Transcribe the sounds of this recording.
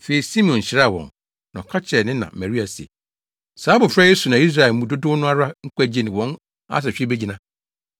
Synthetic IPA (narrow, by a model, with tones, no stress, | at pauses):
fe˨i˨si˦m̃˨ɔ̃˨n˨ɕɪ˨ɾa˦˨wɔ̰̃˨n | nã˨kʰa˦t͡ɕʰɛ˨nɪ̃˦nã̰˨mɛ˨ɾi˦a˨sḛ˨ | saː˨˦bʊ̃˨fɾa˦je˦su˨nã˨i˦s̬ɾa˨ɛ˨mũ˨˦do˦dʊ˦nʊ̃˦a˦ɾa˦ŋ̩˦kæ˦˨d͡ʑe˦nɪ̃˨wɔ̃˦n | a̰˦s̬ɛ˨ɕᶣe˦be˦d͡ʑi˨nã˦